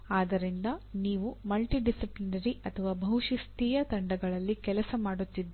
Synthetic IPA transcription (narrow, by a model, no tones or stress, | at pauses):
aːd̪ɐɾind̪ɐniːʋumɐlʈiɖisiplinɐɾiɐt̪ʰɐʋaːbʱɐɦwuʂist̪iːjɐt̪ɐɳɖɐɡɐɭɐlːikɛlɐsɐmaːɽut̪ːid̪ː